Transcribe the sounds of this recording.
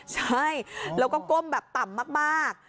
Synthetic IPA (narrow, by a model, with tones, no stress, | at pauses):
saː˧˩jlə˨˦wkɔ˨˧˦ko˧mɓɛː˨˩p̚t̪a˨˩mːaː˦˥k̚maː˧˥˩k̚